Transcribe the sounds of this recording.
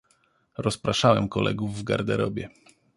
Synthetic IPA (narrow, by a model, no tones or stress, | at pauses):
ɾɔspɾaʂawɛmkɔlʔɛ̰ɡuvːɡa̰ɾd̪ɛɾɔbʲɛ